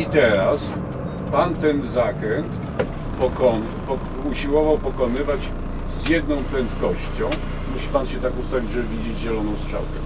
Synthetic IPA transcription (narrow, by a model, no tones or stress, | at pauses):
it̪ɛɾas | pant̪ɛnzakɾɛnt̪ | pɔkɔn | pɔ | uɕiwɔvawpɔkɔnɘvat͡ɕ | zjɛd̪nɔ̃w̃pɾɛnt̪kɔɕt͡ɕɔ̃w̃ | muɕi̥panɕɛt̪akust̪avʲid͡ʑʐɛvʲid͡ʑed͡ʑʑɛlɔnɔ̃w̃stʂa̰wk̪ɛ